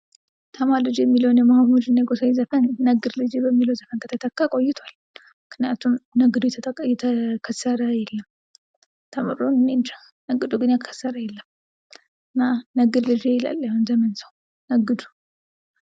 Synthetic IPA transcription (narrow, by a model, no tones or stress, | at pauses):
t̪ʰəmaɾlɨd͡ʒjɛmːiləwunjɛmahamud͡ʒɨnːeɡosajzəfənːəɡɨɾlɨd͡ʒebəmːiləwzəfənkʰət̪ʰət̪ʰəkːakʼo̞jːɪt̪ʰwal | mɨknijat̪ʰumnəɡɨd̪ujɛt̪ʰəkʰəsːəɾəjɛlːəm | t̪ʰəmɨ̰ɾonɨnːend͡ʒa | nəɡɨd̪uɡɨnjakʰə̥sːəɾəjɛlːəm | ɨnːanəɡɨd̪lɨd͡ʒeɛla̰lːjaɨnzəmənsəw | nəɡɨd̪u̥